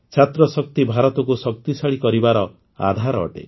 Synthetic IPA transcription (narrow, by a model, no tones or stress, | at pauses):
t͡ʃʰat̪ɾɔsɔk̚t̪ibʱaɾɔt̪ɔkusɔk̚t̪isaɭikɔɾibaɾɔ | a̰d̪ʱaɾɔ̰ːʈḛ